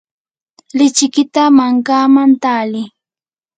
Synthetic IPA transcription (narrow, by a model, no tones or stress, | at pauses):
lɪt͡ʃɪkɪt̪amaŋkaːmant̪aːlɪ